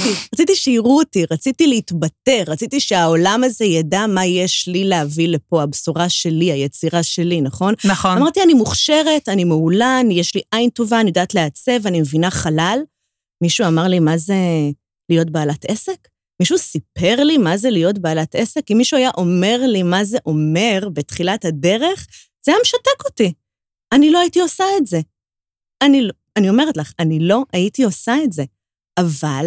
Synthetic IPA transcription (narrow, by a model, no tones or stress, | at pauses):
iʁat͡sitiʃeiʁuotiʁat͡sitileit̪bate̞ʁat͡sit̪iʃeao̞lamaze̞jadamajeʃlileɦavile̞po̞absuʁaʃe̞liajet͡siʁaʃelinaχo̞naχamaʁt̪ianimuχʃe̞ʁe̞tanimeulanjeʃliʔainto̞vanijod̪aːtleat͡se̞vanimevinaχalal | miʃuamaʁlimaze̞ | lijo̞t̚baːlate̞se̞k | miʃusipe̞ʁlimazelijo̞tbaːlate̞se̞kimːiʃuajaʔo̞me̞ʁlimaze̞ʔo̞me̞ʁbetχilathade̞ʁe̞χ | z̥ejameʃatekoti | aniloajitiosaetze̞ | anilo | anio̞me̞ʁetlaχanilo̞ʔajitio̞saetze̞ | ʔaval